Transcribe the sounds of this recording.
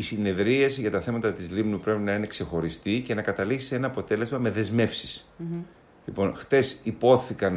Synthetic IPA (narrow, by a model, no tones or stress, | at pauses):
isine̞ðɾiɐsiʝɐt̪ɐθe̞mɐt̪ɐt̪izlimnupɾe̞pinɐine̞kse̞xo̞ɾist̪ice̞nɐkɐt̪ɐliksi̥se̞nɐːpo̞t̪e̞le̞zmɐme̞ðe̞zme̞fsi̥s | lipo̞nxt̪e̞sipo̞θikɐn